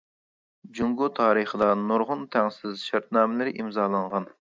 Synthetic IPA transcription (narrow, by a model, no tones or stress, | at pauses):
d͡ʒuŋɡut̪ʰɑːɾəχəd̪ɑnoɾʁʊnt̪ʰæŋsɪzʃæɾt̪̚nɑːmɪlɪɾɪʔimzɑːlˠɑɴʁɑn